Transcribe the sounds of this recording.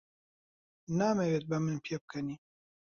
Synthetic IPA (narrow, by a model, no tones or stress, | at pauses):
naːmeweːt̪̚bɐmɨnpʰijeb̚kʰɐniː